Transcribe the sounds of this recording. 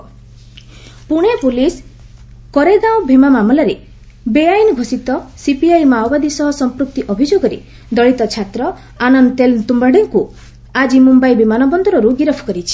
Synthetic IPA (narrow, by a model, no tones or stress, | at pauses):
puɽ̃epulis | kɔɾeɡ̪awbʱemamamɔlaɾe | beajnɡʱosit̪ɔsipiajmawbad̪isɔɦɔsɔmpɾuk̚t̪iʔɔbʱid͡ʒoɡɔɾḛ | d̪ɔɭit̪ɔt͡ʃʰat̪ɾɔ | anɔnt̪elt̪umbaɽeŋku | ad͡ʒimumbajbimanɔbɔnd̪ɔɾɔɾuɡiɾɔpʰkɔɾit͡ʃʰi̥